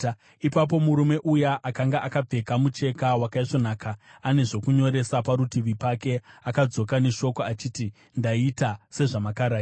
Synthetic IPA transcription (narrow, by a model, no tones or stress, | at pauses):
ipap̬o̞muɾume̞ʔujaʔakaŋɡaʔakab͡ve̞kamut͡ʃe̞kawakaiʐo̞naːkaane̞ʐo̞kuɲo̞ɾe̞sapaɾutiʋipake̞akad͡zo̞kane̞ʃo̞koat͡ʃiːti | ndaitase̞ʐamakaɾaː